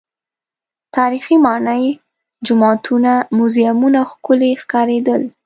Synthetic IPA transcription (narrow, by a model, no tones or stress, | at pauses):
t̪ɑɾiximɑnəj | d͡ʒʊmɑt̪ʰunamʊzjamunaxkʊlexkɑɾed̪əl